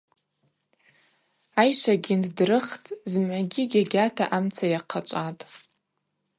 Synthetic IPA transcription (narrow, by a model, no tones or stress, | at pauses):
ajʃʷaɡʲindrɨχt͡sʼzmʕaɡʲɪɡʲaɡʲatʰa̰ʔamt͡sʰajaqʰat͡ʃʷʼatʼ